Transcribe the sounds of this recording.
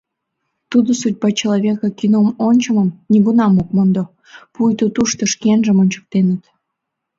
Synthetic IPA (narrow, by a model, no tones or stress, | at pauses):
t̪ud̪osud̚ʲbɑt͡ɕeloβʲekɑkinomonʲt͡ɕəməmnʲiɡunɑmok̚mond̪o | pujt̪ot̪uʃt̪oʃkenʒəmonʲt͡ɕə̥k̚t̪enət̪